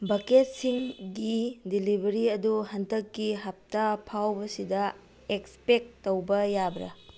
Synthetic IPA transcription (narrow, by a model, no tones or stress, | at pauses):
bɐket̚siŋɡidilibʱɐɾiɐduhɐndɐkːiɦɐp̚tapʰawbɐsidɐ | ekspek̚tːowbɐjabɾɐ̰